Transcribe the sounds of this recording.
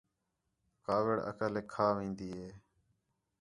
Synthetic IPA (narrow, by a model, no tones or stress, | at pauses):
kaːʋɪɽə̰kəleːkʰːaːʋĩːnd̪iːɦeː